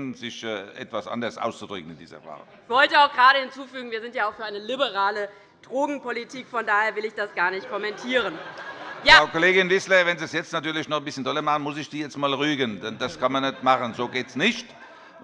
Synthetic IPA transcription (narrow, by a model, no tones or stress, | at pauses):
nzɪçɛʔɛ̰tv̥asʔa̰ndɐsʔa̰ʊst͡sud̥ʁʏkən̩ɪndḭːzɐ̰va̰ː | ɪçv̥ɔltəaʊxɡ̥əʁaːɾəhɪnt͡suːfyːɡŋ̩viːɐzɪntjaːaʊxfyːɐaɪnəlibəʁaːlə | d̥ʁoːɡŋ̩politʰiːkfɔndaːheːɐvɪlɪçd̥asɡ̥aːɐnɪçt̚kʰɔmɛntʰiːʁ̞ənjaːkoleːɡɪnvɪsləvɛnziːsjɛt͡stnatyːɐlɪçnɔχnbɪsçəndʰɔlɐmaχənmʊsɪçd̥iːjɛt͡stmaːlʁyːɡəndɛnd̥askʰanmanːɛtmaχənzoːɡeːtsnɪçt